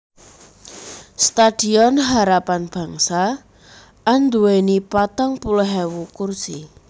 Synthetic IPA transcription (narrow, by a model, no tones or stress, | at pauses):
st̪ad̥i̤ɔnɦaɾapanb̥a̤ŋsa | ʔːnd̪uwenipat̪ɔŋpulɦɛwukursi